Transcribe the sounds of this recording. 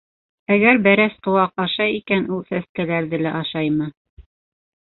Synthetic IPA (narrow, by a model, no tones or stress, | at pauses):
æɡæɾbæɾæsqŏwɑq̚ɑʃɑjikænulˠsæs̚kælæɾðɘlæʔɑʃɑjmɤ